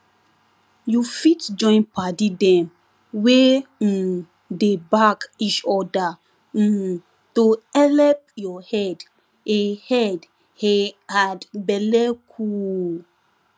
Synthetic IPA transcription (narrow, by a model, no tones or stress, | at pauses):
jufitd͡ʒɔ̃ɪ̃npatidɛ̃m | we | debakit͡ʃɔda | toɛlɛp̚jɔhɛd | ehɛd | hɛadbɛlɛkʰu